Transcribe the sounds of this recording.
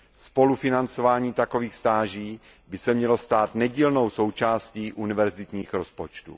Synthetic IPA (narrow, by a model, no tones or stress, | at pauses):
spo̞lufɪnant͡so̞vaːɲiːt̪ako̞viːxst̪aːʒiː | bɪsɛmɲɛlost̪aːt̪nɛɟiːlno̞wso̞wt͡ʃaːsciːʔunɪvɛɾzɪt̪ɲiːxɾo̞spot͡ʃt̪ṵ